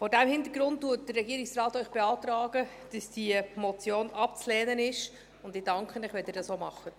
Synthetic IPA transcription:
fɔːɾdæmhɪnd̪əɾɡɾʊnttːuət̚d̥ərːɛɡiəɾɪksrɑːtœʏχb̥ɛɑːt̪ɾɑːɡ̥ə | d̥ɑsd̥iəmɔt͡sjoːnɑpt͡slɛːnənɪʃ | ʊndɪd̥ɑŋkχənɪχʋɛld̥̪ɪɾdɑsoːmɑχə

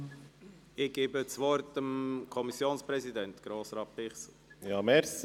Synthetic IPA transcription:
ɪɡ̥eːbət͡sʋɔɾtəmkʰɔmisjoːnspɾɛsid̪ɛnt̪ɡ̥ɾoːsɾɑːtpɪχs | jɑːmɛɾs

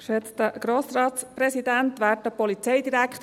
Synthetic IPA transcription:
ʃɛt͡st̪əɡ̥ɾoːsɾɑːtsprɛsid̪ænt̪ʋæːtəpɔlit͡sɛɪd̪iɾækχt

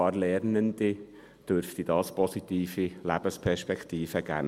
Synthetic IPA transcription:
ɑːɾlɛɾnənd̪i | d̥øɾft̪id̥ɑːspɔsit̪iːfilæb̥əspʰɛɾʃpɛkʰt̪iːfəɡ̥æ̰ː

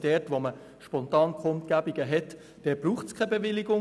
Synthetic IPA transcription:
d̥ɛtʋomə | ʃpɔntɑːnkχʊnt̪ɡ̥æbiɡ̥əɦɛt | d̥ɛːb̥ruːχtskʰɛbevɪliɡʊ

